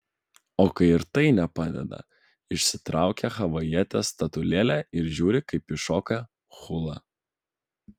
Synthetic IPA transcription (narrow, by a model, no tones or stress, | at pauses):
oːkɐɪɪɾt̪ɐɪnʲɛpɑːd̪ʲɛ̰d̪ɐ̰ | ɪʃʲsʲɪt̪ɾɑˑʊkʲɛxɐʋɐjiɛt̪ʲɛst̪ɐt̪ʊlʲeːlʲæɪɾʒʲuːɾʲɪkɐɪpɪʃoːkɐ | xʊlˠɐ